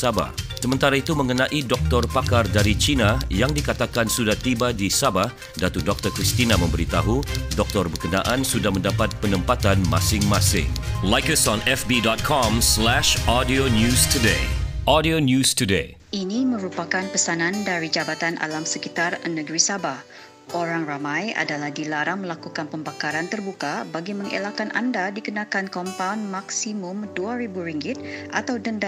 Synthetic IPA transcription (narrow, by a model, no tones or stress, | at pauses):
saba̰hsəmə̃nt̪aɾait̪umə̃ŋənãʔidɔk̚t̪ɔrpakardaɾit͡ʃinajaŋdikat̪akansudaht̪ibadisabah | dat̪udɔk̚t̪ərkɾist̪inamə̃mbəɾit̪aɦudɔk̚t̪ɔrbərkəna̰ʔansudahmə̃ndapat̪̚pənə̃mpat̪anma̰sɪŋmasɪ̰ŋlajkəsɔ̃nɛfbidɔt̪̚kʰɔ̃mslɛʃɔdionjustʰudeʔɔdionjustudḛ | ʔinimə̃ɾupakanpəsanãndaɾid͡ʒabat̪anʔa̰lamsəkit̪arnəɡɾisabah | ʔoɾaŋramãja̰dalahdilaɾaŋməlakukanpəmbakaɾant̪ərbukabaɡiməŋʔḛlakanʔa̰ndadikənakankɔmpawnmaksimʊmduaɾibuɾiŋɡɪt̪̚ʔa̰t̪awdənda